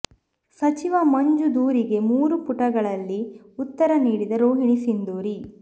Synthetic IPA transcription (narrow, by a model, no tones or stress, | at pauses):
sɐt͡ʃiʋɐmɐɲd͡ʒud̪uːɾiɡe̞muːɾupuʈɐɡɐɭɐlːi | ut̪ːɐɾɐniːɽid̪ɐɾoːɦiɳisind̪uːɾi